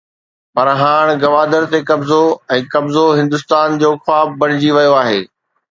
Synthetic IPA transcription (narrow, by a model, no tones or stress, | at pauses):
pɐɾɦaːɽ̃ɡɐʋaːd̪əɾt̪ekɐbzoɛ̃ːkɐbzoɦɪ̃nd̪ʊst̪aːnd͡ʑoːxwaːbːɐɽ̃ɪd͡ʑiʋɐjoaːɦeː